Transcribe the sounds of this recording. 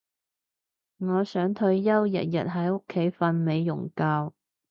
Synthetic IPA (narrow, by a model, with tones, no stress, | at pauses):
ŋɔː˨˧sœː˨˥ŋt̪ʰɵ˧ɥjɐ˥wjɐ̰˨˩t̚jɐ̰˨˩t̚ɦɐ˨˥jʊ˥kʰːe˨˥jfɐ˧nme˨˧jːʊ̰˨˩ŋkaː˧w